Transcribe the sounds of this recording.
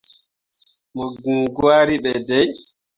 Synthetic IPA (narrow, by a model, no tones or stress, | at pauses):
mɔɡuŋɡwaːɾiɓɛdɛj